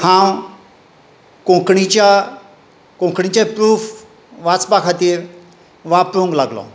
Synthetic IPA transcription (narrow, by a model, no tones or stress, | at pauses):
hãw | kõkɳit͡ɕja | kõkɳit͡ɕapɾuːf | ʋat͡sbakʰat̪ieɾ | ʋapɾũŋɡlaɡlɔ̰